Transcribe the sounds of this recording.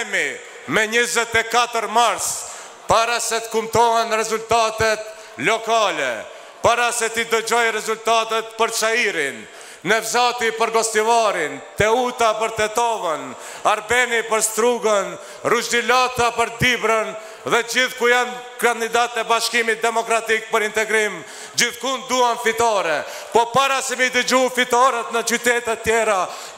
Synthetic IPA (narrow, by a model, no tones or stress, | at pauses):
mi | mɛɲəzɛt̪ɛkat̪əɾmaɾs | paɾasɛt̪ə̥kumt̪ɔɦɛnrɛzult̪at̪ɛt̪ | lɔkalɛ̰ | paɾasɛt̪id̪əd͡ʑɔjrɛzult̪at̪ɛt̪̚pəɾt͡ʃaiɾinː | ɛvzat̪ipəɾɡɔst̪ivaɾint̪ɛut̪apəɾt̪ɛt̪ɔvən | aɾbɛnipəɾst̪ɾuɡən | ruʃd̪ilat̪apəɾd̪ibɾən | ðɛd͡ʒiθkujan | kand̪id̪at̪ɛbaʃkimit̪̚d̪ɛmɔkɾat̪ik̚pəɾint̪ɛɡɾim | d͡ʒiθkund̪uanfit̪ɔɾɛ | pɔpaɾasɛmid̪əd͡ʒufit̪ɔɾɛt̪nət͡ʃyt̪ɛt̪ɛt̪ːjɛɾa